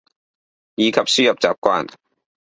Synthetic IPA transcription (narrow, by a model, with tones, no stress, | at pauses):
jiː˨˧kʰɐ˨p̚syː˥jɐ˨p̚t͡saː˨p̚kʷwaː˥n